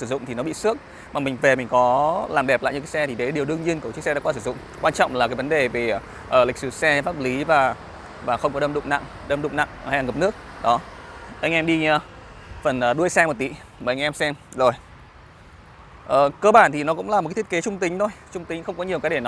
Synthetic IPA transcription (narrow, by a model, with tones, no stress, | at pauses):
sɨ˧˩zʊ̰˧˨ŋ͡mt̪ʰi˨˩nɔ˦ɓḭ˧˨sɨ˦˥ək̚ | maː˨˩mï˨˩ŋ̟ve˨˩mï̟˨˩kɔ˨˦laː˨˩mɗɛ˨˩p̚la̰˧˨ɲɨ˧kaː˨˦sɛ˧t̪ʰi˨˩ɗe˨˦ɗi˨˩əwɗɨ˧əŋɲi˧ənt̪ə˧˩t͡ɕɨ˦˥k̚sɛ˧ɗ̰a̰ː˧˥kwa˧s̬ɨ˧˩zʊ̰˧˨ŋ͡mkwaː˧nt͡ɕɔ̰˧˨wŋ͡mlaː˨˩ka˨˦və˨˦nɗe˨˩ve˨˩ | ʔəː˧˩lï˨˩sɨ˧˩sɛ˧faː˦˥p̚li˨˦vaː˨˩ | vaː˨˩xə˧wŋ͡mkɔ˨˦ɗə˧mɗʊ̰˧˨ŋ͡mna̰˧˨ŋ | ɗə˧mɗʊ̰˧˨ŋ͡mna̰˧˨ŋ˧a˧jlaː˨˩ŋə˨˩p̚nɨ˦˥ək̚ɗɔ˨˦ʔa˧ŋʔɛ˧mɗi˧ | fə˨˩nʔəː˨˩ɗu˧əjsɛ˧mo˨˩t̚t̪ḭ˧˩ | məː˨˩ʔa˧ŋ̟ʔɛ˧msɛ˧mzo˨˩j | ʔəː˨˩kəː˧ɓaː˧˩nt̪ʰi˨˩nɔ˨˦kʊ̰˧˥ŋ͡mlaː˨˩m˨˩ka˨˦t̪ʰke˨˦t͡ɕʊ˧ŋ͡mt̪ï˨˦ŋ̟t̪ʰo˧jt͡ɕʊ˧ŋ͡mt̪i˨˦ŋ̟xə˧wŋ͡mkɔ˨˦ɲi˨˩əkaː˨˦jɗe˧˩nɔ˨˦